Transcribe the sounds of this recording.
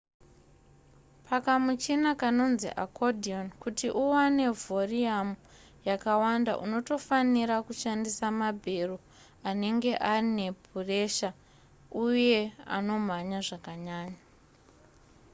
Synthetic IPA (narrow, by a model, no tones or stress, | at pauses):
pakamut͡ʃinakano̞nzḭʔa̰kʰodʱio̞nkutiʔuwane̞voriamu | jakawanda̰ʔuno̞to̞faniɾakuʃandisamabʱe̞ro | ane̞ŋɡe̞ʔarine̞pure̞ʃa | uje̞a̰no̞maɲaʐakaɲaːɲa